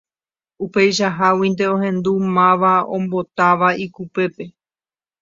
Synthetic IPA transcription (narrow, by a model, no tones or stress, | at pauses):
upe̞jʃaɦawĩnd̪e̞oɦẽ̞nd̪umãʋaõ̰mbo̞t̪aʋaikupe̞pe̞